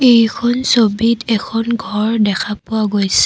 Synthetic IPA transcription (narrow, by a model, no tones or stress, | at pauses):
ejkʰɔnsobitɛkʰɔnɡʱɔɹdɛkʰapʊaɡojsɛ̥